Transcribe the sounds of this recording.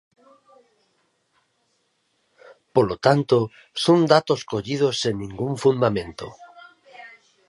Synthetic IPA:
polot̪ant̪o | sond̪at̪oskoʎið̞osennĩŋɡuɱfund̪amẽnt̪o̰

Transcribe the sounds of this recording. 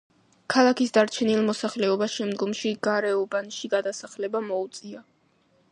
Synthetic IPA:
kʰalˠakisd̪aɾt͡ʃʰɛnilˠmɔsaχlɛɔbasʃɛmd̪ɡɔmʃiɡ̥aɾɛɔbanʃiɡad̪asaχlɛbamɔut̪sʼia

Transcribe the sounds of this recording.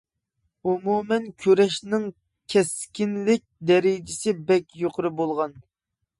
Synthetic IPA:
umumɛnkʲʰøɾɛʃnɪŋ | kʲʰɛskʲinlɪk̚ʲd̪ɛɾɪd͡ʒɪsɪbɛkʲjoqʰʊɾɨbolˠʁɑn

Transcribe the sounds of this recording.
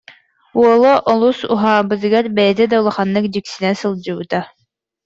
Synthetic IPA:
wɔlˠɔʔɔlˠusṵɦaːbɯzɡaɾbɛjɛd̪ɛd̪awlˠɑχɑnːɯk̚d͡ʑiksinɛsɯlˠd͡ʑɯut̪a

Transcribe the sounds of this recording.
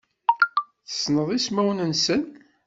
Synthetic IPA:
θə̥snəðˤismæwnənsən

